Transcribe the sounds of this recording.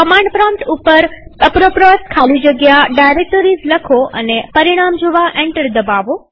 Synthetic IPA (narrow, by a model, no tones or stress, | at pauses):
kəmãɳɖpɾɔ̃ʈupəɾəpɾopɾɔskʰalid͡ʒəɡjaɖajɾek̚ʈoɾizləkʰoʔə̰nepəɾiɽ̃amd͡ʒoʋaʔẽɳʈəɾd̪əbaʋo